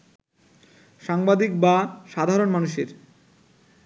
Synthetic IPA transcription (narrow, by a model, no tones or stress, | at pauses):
ʃaŋbad̪ik̚baʃad̪ʱaɾonmanuʃeɾ